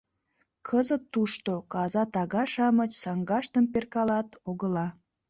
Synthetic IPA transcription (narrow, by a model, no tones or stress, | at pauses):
kʰəzət̪ːuʃt̪okɑzɑt̪ɑɣɑʃɑmət͡ɕsɑŋɡɑʃt̪əmperkɑlɑt̪oɣəlɑ